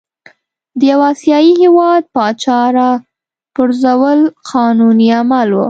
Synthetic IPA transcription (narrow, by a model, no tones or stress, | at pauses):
d̪əjawɑsjɑjihewɑd̪̚pɑt͡ʃɑɾa | pʊɾzawəlqʰɑnuniamalwṵ